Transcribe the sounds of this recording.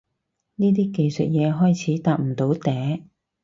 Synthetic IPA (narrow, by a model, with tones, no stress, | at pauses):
niː˥t̪iː˥ke˨˧jsɵ̰˨t̚jɛː˨˧ɦɔː˥jt͡sʰiː˨˥t̪aː˨˧k̚m̩˨˩t̪o˨˥wt̪ɛː˨˥